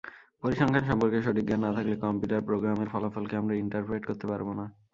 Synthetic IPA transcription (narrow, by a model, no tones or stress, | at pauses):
poɾiʃɔŋkʰaɾʃɔmpoɾkeʃoʈikːanːat̪ʰaklekɔmpjuʈaɾpɾoɡɾameɾfɔlofɔlkeamɾaiɳʈaɾpɾeʈkoɾt̪epaɾbona